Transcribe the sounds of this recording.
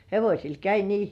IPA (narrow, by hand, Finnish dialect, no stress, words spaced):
heʋosʲil kæi niː